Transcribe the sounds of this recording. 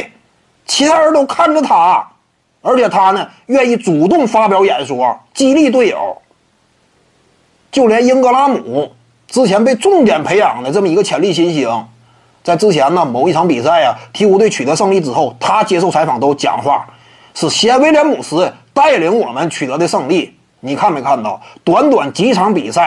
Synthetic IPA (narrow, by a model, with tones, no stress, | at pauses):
t͡ɕʰi˧˥t̪ʰa˥ə˞˧˥t̪o˥ʊkʰa˥˩nʈ͡ʂə˨˩t̪ʰa˥ | ə˞˧˥t͡ɕʰjɛ˨˩t̪ʰa˥nə˨ | ɥɛ˥˧ni˥˩t͡su˨˩t̪ʊ˥˩ŋfa˥pjɑ˧˥ʊjɛ˧˥ɪʂwɔ˥˩t͡ɕi˥˧li˥˧t̪̬we˥˩ɪjo̰˨˩˦ʊ | t͡ɕjo˥˩ʊljɛ˧˥nji˥nkɤ˧˥la˥mu˨˩˦ | ʈ͡ʂɻ̩˥t͡ɕʰjɛ˧˥np̬e˥˧ɪʈ͡ʂʊ˥˩ŋt̪jɛ˨˩npʰe˧˥ɪjɑ˨˩ŋd̪ə˦ʈ͡ʂə˥˩mə˩i˧˥ɡə˧t͡ɕʰjɛ˧˥nli˥˩ɕi˥nɕi˧˥ŋ | t͡sa˥˩ɪʈ͡ʂɻ̩˥t͡ɕʰjɛ˧˥nnə˧˨mo˨˩ʊi˥˩ʈ͡ʂʰɑ˧˥ŋpi˨˩sa˥˩ɪɐ˩t̪ʰi˧˥u˧˥t̪we˥˩ɪt͡ɕʰy˨˩ə˧˥ʂɤ˥˧ŋli˥˩ʈ͡ʂɻ̩˨˩xo˥˩ʊt̪ʰa˥t͡ɕjɛ˥ʂo˥˩ʊt͡sʰfɑ˨˩ŋt̪o˥ʊt͡ɕjɑ̰˨˩ŋxwa̰˥˩ | ʂɻ̩˥˩ɕi˧˥a˥we˥ljɛ˧˥nmu˨˩ʂɹ̩˧˥t̪a˥˩ɪli˧˥ŋwɔ˨˩mə˦nt͡ɕʰy˨˩ɤ˧˥d̪ə˧ʂɤ˥˧ŋli˥˩ | ni˨˩kʰa˥˩nme˧˥ɪkʰa˥˧nt̪ɑ˥˩ʊt̪wa˧˥nt̪wa˨˩nt͡ɕi˧˥ʈ͡ʂʰɑ˧˥ŋpḭ˨˩sa˥˩ɪ